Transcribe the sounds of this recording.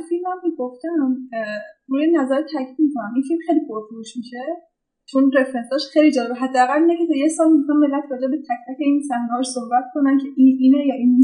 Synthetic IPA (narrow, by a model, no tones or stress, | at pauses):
filmæmeɡoft̪æm | ruːjenæzæɾt̪ʰæcʰiːd̪̚mikʰonæminfilmxejlipʰoɾfoɾuʃmiʃe | t͡ʃʰonre̞fɾensɒːʃxejlid͡ʒɒːlebeɦæd̪ːææɣælːineket̪ʰɒjesɒːlmixɑnme̞lːæt̪ʰɾɒːd͡ʒebet̪ʰæc̚t̪ʰæce̞iːnsænɡɒːʃsohbæt̪̚kʰo̞næncʲʰeʔiinejɒːʔin